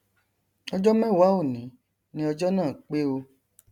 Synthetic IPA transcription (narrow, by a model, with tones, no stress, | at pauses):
ɔ˧d͡ʒɔ˦mɛ̃˦˨wa˨˦o˦˨nĩ˨˦ | nĩ˦ɔ˧d͡ʒɔ˦nãː˦˨k͡pe˦o˧